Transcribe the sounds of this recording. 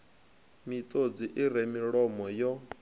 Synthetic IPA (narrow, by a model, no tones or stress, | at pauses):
mit̪ʼod͡ziʔiɾɛmiɺɔmɔjɔ